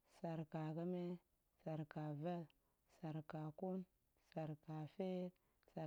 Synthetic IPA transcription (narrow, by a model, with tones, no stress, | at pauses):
sa˨ɾka˨ka˦me˦ | sa˨ɾka˨va˦ | sa˨ɾka˨ku˦n | sa˨ɾka˨fe˦ɾ | sa˨